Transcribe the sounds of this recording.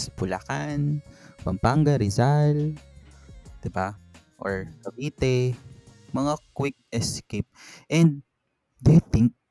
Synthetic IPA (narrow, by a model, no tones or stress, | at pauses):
spʊla̰kanpɐmpaŋɡɐɾɪzal | d̪̥ɪba | ʔoɹkɐbiːt̪ɛ | mɐŋakwɪk̚ʔɛskep̚ʔɛ̃nd̪̚ | d̪ejt̪ɪŋk̚